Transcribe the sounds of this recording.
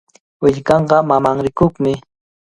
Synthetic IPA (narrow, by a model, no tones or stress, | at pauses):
wɪʎkɑɴɢɑmamaŋɾɪkoχmɪ